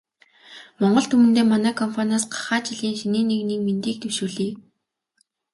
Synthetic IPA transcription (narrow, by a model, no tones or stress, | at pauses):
mɔɴɢɞ̆ɮt̪ʰɵmɘ̆nt̪eːmanæːkʰɔmpʰanaːsɢḁχaːt͡ɕɪɮiːnʃiniːneɣniːk̚ment̪iːk̚t̪ʰɵwʃuːɮiː